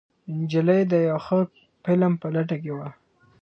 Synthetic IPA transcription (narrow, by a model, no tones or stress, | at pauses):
nd͡ʒɪləjd̪əjawxə | pɪlampəlaʈ̬ak̬ewa